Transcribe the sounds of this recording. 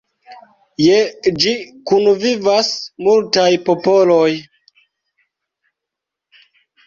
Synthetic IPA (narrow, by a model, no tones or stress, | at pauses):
jed͡ʒikunvivasmultajpopoloj